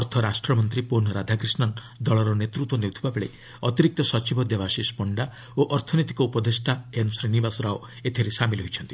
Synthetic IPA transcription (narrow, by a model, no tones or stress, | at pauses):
ɔɾt̪ʰɔɾasʈɾɔmɔnt̪ɾiponɾad̪ʱakɾisnɔŋ | d̪ɔɭɔɾɔnet̪ɾut̪ːwɔnewt̪ʰibabeɭḛ | ɔt̪iɾik̚t̪ɔsɔt͡ʃibʱɔd̪jebasispɔɳɖa | oʔɔɾt̪ʰɔnit̪i̥kɔupɔd̪esʈaensɾinibasɔɾao | et̪ʰiɾesamilɦojt͡ʃʰɔnt̪i̥